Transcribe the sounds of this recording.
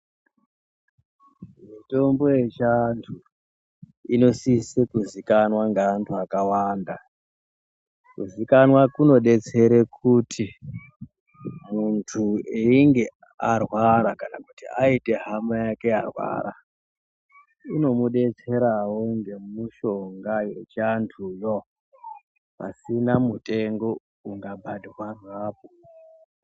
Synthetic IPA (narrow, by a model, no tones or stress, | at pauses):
mito̞mbo̞jet͡ʃantʰu | ino̞sisekuzikanwaŋɡaːntʰuakawaːnda | kuzikanwakuno̞ɗe̞t͡se̞ɾe̞kʰutʰi | muntʰueiŋɡe̞ | arwaɾakanakutiaite̞ɦamajake̞arwa̰ɾa̰ | ino̞muɗe̞t͡se̞ɾawo̞ŋɡe̞muʃo̞ŋɡaje̞t͡ʃantʰujo | pa̰sinamutʼe̞ŋɡo̞ | uŋɡabʱadʱiwaraːpo